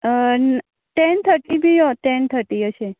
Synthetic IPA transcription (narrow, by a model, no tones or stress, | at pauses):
n | ʈent̪ʰəɾʈibʱiɦot̪ent̪ʰəɾʈiəʃe